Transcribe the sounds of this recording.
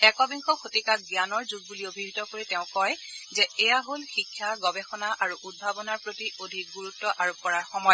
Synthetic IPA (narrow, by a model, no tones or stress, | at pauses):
ɛkɔbiŋxʰɔkʰotikak̚ɡjanɔɹzuɡ̚buliobʱiɡʱitɔkoɹitɛʊ̃kɔjzɛɛjaɦolxikʰːaɡɔbexɔnaʔaɹuʔud̚bʱabɔnaɹpɹotiʔodʱik̚ɡuɹutːɔʔaɹup̚kɔɹaɹxɔmɔjɔ